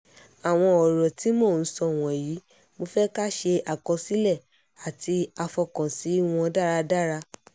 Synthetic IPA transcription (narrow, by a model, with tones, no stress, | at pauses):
a˨w̃ɔ̃˧ɔ˨ɾɔ˨ti˨˦mo˦˨n̩˦sɔ˧˨w̃ɔ̃˨ji˨˦ | mo˧fɛ˦ka˦ʃe˧a˨kɔ˧si˦lɛ˦˨ | a˨ti˧a˧fɔ˧kã˨si˨˦w̃ɔ̃˧da˦ɾa˧da˦ɾa˧